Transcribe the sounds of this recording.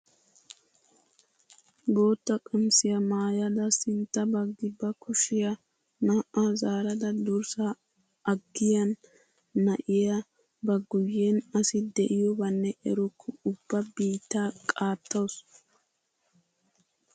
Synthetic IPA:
bo̞ːt̪ːɐkʼɐnsɪjɐmaːjɐd̪ɐsɪnt̪ːɐbɐɡɪbːɐkʊʃɪjɐ | naːʔazaːɾɐd̪ɐd̪ʊɾsɐ | ɐɡːɪjɐnː | ɐʔɪjɐ | bɐɡʊjːenɐsɪd̪ɛʔɪjɔbɐnːɛʔɛɾʊkʰːʊʊb̥ːɐbiːt̪ːaːkʼaːt̪ːɐws

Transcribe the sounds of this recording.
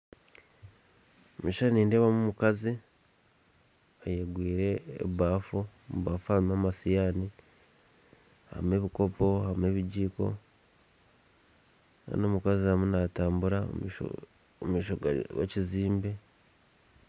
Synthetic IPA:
omiːʃaniːndeβamumukazi | ajeɡwiːɾe̞̰ːβaːfo | muβaːfuamamasijaːni | ha̰me̞βiko̞po̞hamue̞βiɟiːko̞̰ | a̰nomukazihamunataːmbuɾao̰ | miːʃowḛciziːmbe̞

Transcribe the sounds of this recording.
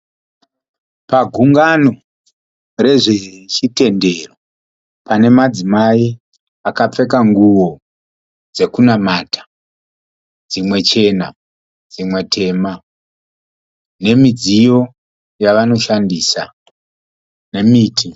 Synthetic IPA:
paɡʱuŋɡano̞ | re̞ʐe̞t͡ʃite̞nde̞ro | pane̞mad͡zimai | akap͡fe̞kaŋɡuwo̞ | d͡ze̞kunamaːtʰḁ | d͡zimwe̞t͡ʃe̞na | d͡zimwe̞tʰe̞ːma | ne̞mid͡zijo̞ | jaʋano̞ʃandisa | ne̞miːtʰi

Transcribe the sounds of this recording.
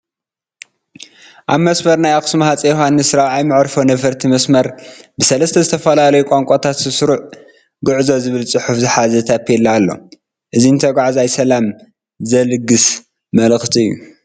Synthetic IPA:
ʔaβmɐsmɐɾnajaxsmhat͡sʼɐjohanːɨsɨɾawʕajmɨʕɾfo̞nɐfɐɾt̪ʰimɐsmɐɾbɨsɐlɐst̪ʰɐzɨt̪ʰɐfɐlalɐjukʼoŋkʷʼot̪ʰat̪zɨsɾuʕ | ɡɨʕzo̞zɨβɨlt͡sʼɨħufzɨħazɐt̪ʰapʰːelːɐːlːo̞̰ | ʔɨzint̪ʰɐɡʷʕazajsɐlam | zɐlɨɡːɨs | mɐlxt̪ʰiɨjːṵ

